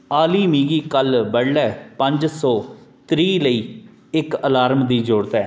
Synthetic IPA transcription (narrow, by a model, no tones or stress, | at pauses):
aːliːmiːɡiːkəlbəɽlɛːpəɲd͡ʒsɔːt̪ɾiːləiː | ɪkəlaːɾmd̪iːd͡ʒoːɽt̪ɛː